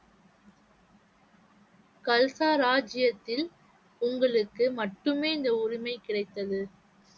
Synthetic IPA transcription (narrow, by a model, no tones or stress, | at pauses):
kɐlsaːɾaːd͡ʒɪjɐt̪ːɪl | ʊŋɡɐɭɯkːɯmɐʈːɯmeːɪnd̪ɐʊɾɪmɐɪkɪɽɐɪt̪ːɐðɯ